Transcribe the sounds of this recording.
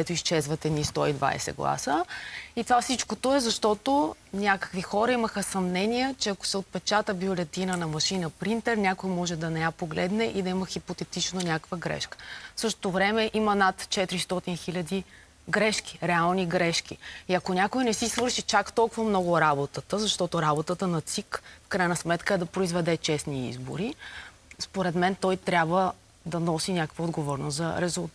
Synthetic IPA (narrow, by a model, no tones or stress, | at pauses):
kd̪ɛt̪ʊist͡ʃɛzvɐt̪ɛd̪nist̪ɔid̪va̰j̰sɛ̰ɡlˠa̰səit̪ovafsit͡ʃkot̪oɛzɐʃt̪ɔt̪oʊnʲakə̥kvixɔɾɐiməxəsɐmnɛniɛt͡ʃɛɐko̥sɛot̪̚pɛt͡ʃat̪əbiolɛt̪inənɐmɐʃinəpɾint̪ɛɾnʲakojmɔʒɛd̪ɐnɛjapoɡlɛ̰d̪nɛʔid̪ɐiməxipot̪ɛt̪it͡ʃnonʲakə̥kvəɡɾɛ̰ʃkə̥fsɤʃt̪o̥t̪ovɾɛmɛʔimɐnat̪t͡ʃɛt̪ɾist̪ɔt̪inxilʲəd̪i | ɡɾɛʃki̥ɾɛalˠniɡɾɛʃkʲḭiɐkonʲakojnɛsisvɤɾʃit͡ʃakt̪ɔlˠkʊvɐmnɔɡoɾabot̪ət̪əzɐʃt̪ɔt̪oɾabot̪ət̪ənɐt̪sikfkɾajnɐsmɛt̪kəɛd̪ɐpɾoizvɛd̪ɛt͡ʃɛsniḭzbo̰ɾi | spoɾɛd̪mɛnt̪ɔjt̪ɾʲabvə | d̪ɐnɔsinʲakə̥kvəod̪ɡovɔɾnoszɐ̰ɾɛzulˠ